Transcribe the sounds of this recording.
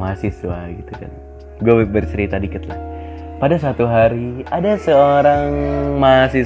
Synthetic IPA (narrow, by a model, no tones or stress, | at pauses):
masiswaɡit̪uka̰n | ɡuabərsəɾit̪adikət̪la̰h | padasat̪uɦaɾiadasəoɾaŋmasi